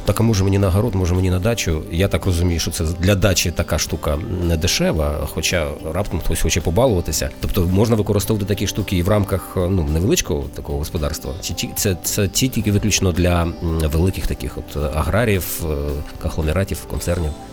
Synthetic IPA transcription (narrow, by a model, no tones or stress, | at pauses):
t̪ɑkɐmɔʒɛmenʲinɐɦɐɾɔt̪mɔʒɛmenʲinɐd̪ɑt͡ʃʊjat̪ɑkrɔzʊmʲijʊʃt͡ʃɔt̪ɛd̪lʲɐd̪ɑt͡ʃɪt̪ɐkaʂt̪ukɐnɛd̪ɪʃɛʋɐxɔt͡ʃarɑpt̪ɔmɔsʲxɔt͡ʃɛpɔbɑlˠʊʋɐt̪ɪsʲɐ̰t̪ɔpt̪ɔmɔʒnɐʋɪkɔɾɪst̪ɔʋɐt̪ɪt̪ɐkʲiʃt̪ukʲɪːʋrɑmkɐxnuneʋelˠɪt͡ʃkɔɦɔt̪ɐkɔɦɔɦɔspɔd̪ɑrst̪ʋɐ̰t͡sʲitʲit̪sɛt̪ɛtʲitʲilʲkʲɪʋɪklʲut͡ʃenɔd̪lʲɐʋelˠɪkɪxt̪ɐkɪ̰xɔ̰t̪ɐ̰ɦɾɑɾʲiwkɐxlˠɔnɪɾɑtʲiwkɔ̰nt̪sɛrnʲiw